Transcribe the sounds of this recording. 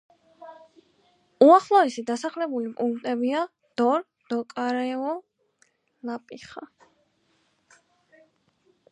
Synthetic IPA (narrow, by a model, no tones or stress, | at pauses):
uaχlˠɔɛsid̪asaχlɛbulipʼuŋkʰt̪ʼɛbia | d̪̥ɔɾ | d̪̥ɔkʼaɾɛɔ | lapʼiχa̰